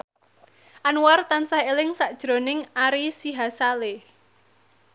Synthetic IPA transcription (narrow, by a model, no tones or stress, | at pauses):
ʔanwart̪ansahelɪŋsaʔd̥ʒ̥ɾo̤nɪŋaɾisiɦasale